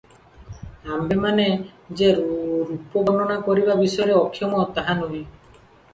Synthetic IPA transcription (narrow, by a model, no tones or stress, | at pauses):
ambemaned͡ʒeɾupɔɡɔnɔnakɔɾibabisɔjɔɾeɔkʰːjɔmɔt̪aɦanuɦĩ